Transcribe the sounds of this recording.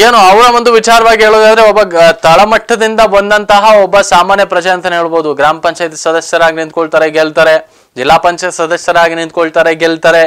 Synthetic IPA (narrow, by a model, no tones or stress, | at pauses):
eːnuɐʋɾɐʋond̪uʋit͡ʃaːɾɐʋaːɡiɦeːɭoːd̪aːd̪ɐɾe̞ɔbːɐt̪ɐɭɐmɐʈʰːɐd̪ind̪ɐʋond̪ɐnt̪ɐɦɐɔbːɐsaːmaːnjɐpɾɐd͡ʒɐjɐnt̪ɐnɦeːɭboːd̪uɡɾaːmɐpɐɲt͡ʃaːjɐt̪i̥sɐd̪ɐsjɐɾaːɡinint̪̚koɭt̪aːɾeɡelt̪aːɾe̞ | d͡ʒilːaːpɐɲt͡ʃaːjt̪sɐd̪ɐsjɐɾaːɡinint̪̚koɭt̪aːɾeɡeɭt̪aːɾe̞